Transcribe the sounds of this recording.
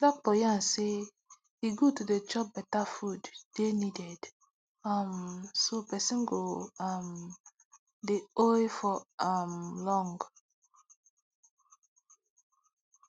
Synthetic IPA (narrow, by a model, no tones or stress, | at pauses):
lɔk̚bɔjãnse | hiɡotuded͡ʒɔp̚bɛtafuddenidɛd̥ | amsopɛsĩnɡoam | deɔjfɔamlɔ̃ŋɡ